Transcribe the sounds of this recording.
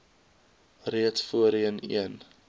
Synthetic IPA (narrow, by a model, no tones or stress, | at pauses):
riətfuəɾiənḭən